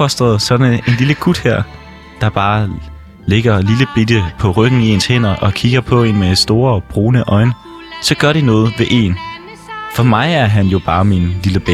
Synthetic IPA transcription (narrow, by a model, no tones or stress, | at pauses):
ɒ̽sd̥ʁɐð̞̩ˠsɒ̽dn̩e̝nliləɡ̥ud̥hæɐ̰ | d̥ɑ̈b̥ɑ̈ː | le̝ɡ̥ɐliləb̥ed̥əpʰɒ̽ʁœɡ̥n̩ie̝nshen̰ɐʔɒ̽kʰiɡ̥ɐpʰɒ̽e̝nme̥sd̥o̝ːɐɒb̥ʁo̝ːnəʔɒ̽ɪn | sɒ̽ɡ̥ɶɐɾinɔ̽ːð̞̩ˠʋe̝ʔe̝̰n | fɒ̽mɑ̈ɪæɐɦænjo̝b̥ɑ̈ːminliləb̥e